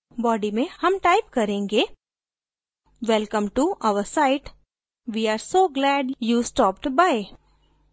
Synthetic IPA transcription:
bɔːɖimẽhɐmʈaɪpkɐɾẽːŋɡeː | ʋɛlkə̃mʈuʔaʋəɾsaɪʈ | ʋiːaːɾsoːɡlæːɖjusʈɔːp̚ʈbaɪ

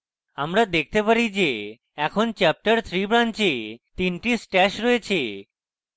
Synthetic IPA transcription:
amɾad̪ek̚ʰt̪epaɾid͡ʑe | ɛkʰont͡ɕɛp̚ʈəɾt̪ʰɾibɾant͡ɕet̪inʈisʈɛʃɾɔet͡ɕʰe

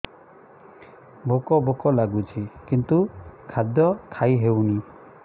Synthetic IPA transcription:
bʱokɔbʱokɔlaɡut͡ʃʰikint̪ukʰad̪jɔkʰajɦewni

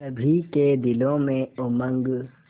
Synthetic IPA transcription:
ɐbʱiked̪ɪlõmẽʊmə̃ŋɡ

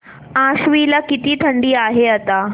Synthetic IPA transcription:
ãɕʋilakit̪iːt̪ʰəɳɖiːaɦeat̪a

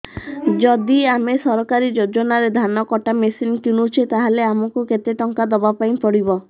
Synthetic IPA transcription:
d͡ʒɔd̪iamesɔɾɔkaɾid͡ʒod͡ʒɔnaɾed̪ʱanɔkɔʈamesinkinut͡ʃʰet̪aɦaleamɔkuket̪eʈɔŋkad̪ɔbapaĩpɔɽibɔ

